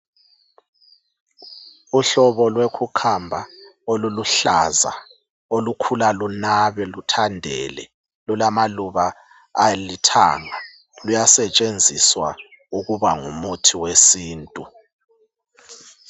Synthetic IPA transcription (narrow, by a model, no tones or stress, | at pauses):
uɬɔβɔlwekʰukʰambʱaoluluɬa̰za̰ | olukʰulalunaβɛlutʰandʱɛ̰lɛ̰ | lulamaluβaː | litʰa̰ːŋa | lujasɛt͡ʃʼend͡zʱiswa | uɣuβaŋumutʰiwesiːntʼu